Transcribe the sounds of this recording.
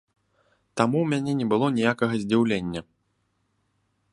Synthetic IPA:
t̪amuwmʲanʲɛnʲɛbɨlˠɔnʲijakɐɣɐzʲd͡zʲiwlʲenʲːɐ

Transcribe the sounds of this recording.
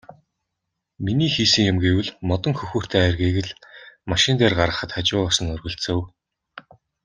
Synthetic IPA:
miniːxiːsɘ̆ŋjʊmɡewɘ̆ɮmɔt̪ɞ̆ŋxɵxuːr̥t̪ʰeːæːrɣeːɣɘ̆ɮmaʃɪ̆nt̪eːrɢaɾʁə̆χə̆t̪χat͡ɕʊːɔsɞ̆ŋɵrɣɵ̆ɬt͡sɘ̆w

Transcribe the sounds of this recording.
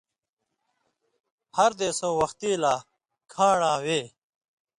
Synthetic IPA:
hɐɾd̪eːsõːwɐxt̪iːlaː | kʰãːɳãːweː

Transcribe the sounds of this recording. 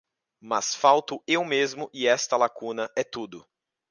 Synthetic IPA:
mɐsfawt̪ʊewmezmʊʔɪɛst̪ɐlakũnɐʔɛt̪ud̪ʊ

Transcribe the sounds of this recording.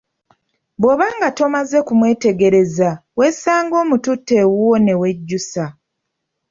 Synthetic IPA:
bwo̞βaːŋɡato̞maze̞kumwe̞ːte̞ɡe̞ɾe̞zaweːsaːŋɡo̞ːmututːe̞wuwone̞we̞ɟːusa

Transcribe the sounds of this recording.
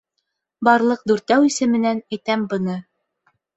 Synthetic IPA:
bɑɾlˠɤq̚d̪ʉɾt̪æwisɘ̆mɘ̆nænæjt̪æmbɤ̆nɤ

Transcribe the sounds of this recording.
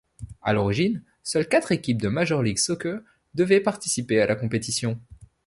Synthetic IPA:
a̰lɔʁiʒin | sœlkʲat̪χekʲip̚d̪əmaʒɔʁliɡsɔkø | d̪əvɛpaʁt̪isipealʔakɔ̃pet̪isjɔ̃

